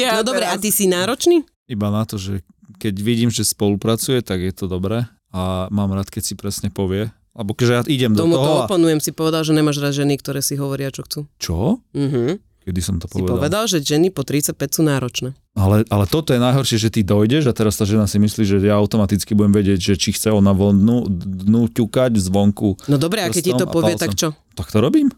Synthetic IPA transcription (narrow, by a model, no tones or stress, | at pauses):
nɔd̪ɔbɾɛat̪isinaːɾɔt͡ʃniː | ibanat̪ɔʒɛ | kɛɟʋiɟiːmʒɛspɔlupɾat͡sujɛt̪aɡjɛt̪ɔd̪ɔbɾɛː | amaːmɾaːt̪kɛcsipɾɛsɲɛpɔʋɪɛ | alɛbɔkɛʒɛjaiɟɛmd̪ɔmuɔɦ̪ɔɔapanujɛmsipɔʋɛd̪alʒɛɲɛmaːʒɾad̪ʒɛnikt̪ɔɾɛːsiɦɔʋɔɾɪat͡ʃɔxt͡suːt͡ʃɔm̩ɦ̩ | kɛd̪isɔmt̪ɔ̥pɔiʋɛpɔdaʋɛd̪alʒɛʒɛnipɔt̪ɾit͡sac̚pɛcsuːnaːɾɔt͡ʃnɛː | alɛʔalɛt̪ɔt̪ɔjɛnajɦɔɾʃɪɛʒɛt̪id̪ɔjɟɛʒat̪ɛɾast̪aːʒɛnasimisliːʒɛjaaʊt̪ɔmat̪it͡skibuɟɛmʋɛɟɪɛɟʒɛt͡ʃixt͡sɛɔnaʋɔnd̪nud̪nucukaɟvzʋɔŋkunɔd̪ɔbɾɛakɛcːit̪ɔppɔʋɪɛt̪akt͡ʃɔ | t̪akt̪ɔɾɔbiːm